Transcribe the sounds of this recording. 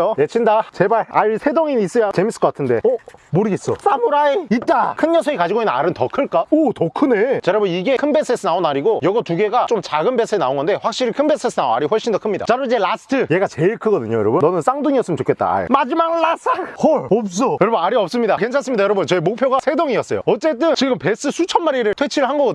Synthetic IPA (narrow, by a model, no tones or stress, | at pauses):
jojet͡ɕʰindat͡ɕebaɭaisʰe̞doŋinis͈ʌjat͡ɕemis͈ʰɯ̥kʌk͈atʰɯnde̞ʌmoɾɯɡe̞s͈ʌsamuɾaeit̚t͈akʰɯnjʌsʰʌikad͡ʑiɡoinːɯnaɾɯntʌkʰɯɭk͈aotʌkʰɯnet͡ɕeɾabuniɡe̞kʰɯnbesʰɯesʰɯnaonaɾiɡojʌɡʌtuɡe̞ɡat͡ɕomt͡ɕaɡɯnbe̞sʰɯenaoŋɡʌnde̞ɸwak̚ɕ͈iɾikʰɯnbe̞sʰɯesʰɯnaoa̰ɾiɸwʌɭɕ͈indʌkʰɯmɲida̰t͡ɕaɾoid͡ʑe̞lasʰɯ̥tʰɯje̞ɡat͡ɕe̞iɭkʰɯɡʌdɯɲojʌɾʌbunʌnɯns͈aŋduŋiʌs͈ɯmɯnt͡ɕokʰe̞t̚t͈a̰a̰ḛmad͡ʑimaɡlas͈ʰahoɭʌp̚s̬͈ʌjʌɾʌbunaɾiʌp̚s͈ɯmɲidake̞nt͡ɕʰas͈ɯmɲidajʌɾʌbunt͡ɕʌemok̚pʰjoɡasʰe̞doŋiʌs͈ʌ̰jo̰ʌt͡ɕ͈e̞t̬͈ɯnt͡ɕiɡɯmpe̞s͈ɯsʰut͡ɕʰʌnmaɾiɾɯɭtʰwe̞t͡ɕʰiɾɯɭhanɡʌɡʌdɯ